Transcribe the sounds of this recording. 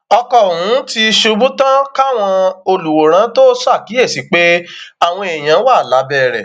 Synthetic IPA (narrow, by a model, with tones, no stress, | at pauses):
ɔ˧kɔ˨wũ˨˦ti˧ʃu˧bu˦tã˦ka˦w̃ɔ̃˧o˧lu˨wo˨˦ɾ̃ã˨˦to˦sa˦˨ki˨˦e˦˨si˨˦k͡pe˦a˦˨w̃ɔ̃˧e˨j̃ã˨˦wa˦˨la˨˦bɛː˦˨ɾɛ̰˨